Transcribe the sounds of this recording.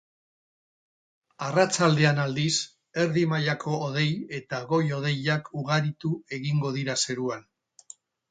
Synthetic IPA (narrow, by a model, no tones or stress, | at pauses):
arat͡ʃald̪e̞anald̪is | e̞ɾðimajakʰo̞ːð̞e̞je̞t̪aɣo̞jo̞ð̞e̞jakʰuɣaɾit̪ue̞ɣiŋɡo̞ðiɾase̞ɾuan